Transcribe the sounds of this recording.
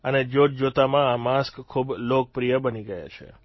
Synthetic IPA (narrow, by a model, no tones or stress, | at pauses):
əned͡ʒod͡ʒot̪amãamaskkʰːublok̚pɾijəbəniɡəja̰t͡ʃʰḛ